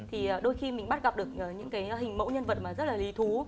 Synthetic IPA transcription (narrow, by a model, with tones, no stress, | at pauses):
t̪ʰi˨˩ʔːɗo˧jxi˧mï˨˩ŋ̟ɓa˦˥t̚ɣa˨˩p̚ɗɨ˨˩ək̚ʔəː˨˩ɲɨ̰˧˥ŋkaː˨˦jɦï˨˩ŋ̟mə̰˧˥wɲə˧nvə˨˩t̚maː˨˩zə˦˥t̚laː˨˩li˨˦t̪ʰu˨˦